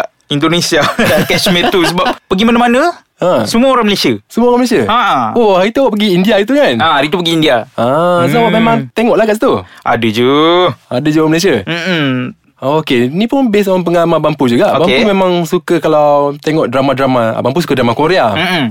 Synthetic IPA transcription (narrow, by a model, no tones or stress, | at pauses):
indonesiadakɛsmẽt̪usəbap̚pəɡimanamanə̃ | əsəmuaoɾaŋməlesiasəmuaoɾaŋməlesiaaohaɾit̪uawaʔpəɡiːndiait̪̬ukanaaɾit̪upəɡiːndiaəsəbabap̚memãŋt̪eŋɔʔlahkaʔsit̪uʔa̰dəd͡ʒuadəd͡ʒuaaməles̬iam̩ | okeinĩpʊnbesɔnpəŋalamabampud͡ʒuɡaʔbampumemãŋsukəkalawt̪eŋɔʔdɾamadɾama̰bampusu̥kədɾamakoɾeam